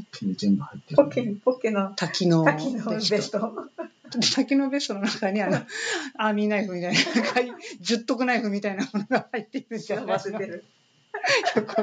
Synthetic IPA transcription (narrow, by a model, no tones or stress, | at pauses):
kʲːiɲizẽmbɯhait̪ːekʲːikokʲːinot̪ʰakʲinoakʲinoebest̪o | et̪akʲino̞be̞st̪o̞no̞nakaɲ̟ianoamʲinaiɸɯ̟mʲit̪ainakʰaid͡ʑɨt̪ːo̞k̬ɯnaiɸɯmʲit̪ainamonoɡahait̪ːe̞iɾɯd͡ʑaaseeɾɯ | jokːo